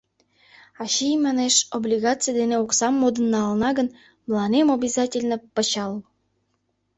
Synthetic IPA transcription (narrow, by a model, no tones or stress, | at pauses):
ɑɕijmɑneʃoblʲiɣɑt͡sɨjəd̪eneuksɑmːod̪ə̆nːɑːlnɑɡə̆n | mlˠɑnemobʲizɑtʲelʲnə̆pə̆t͡ɕɑlˠ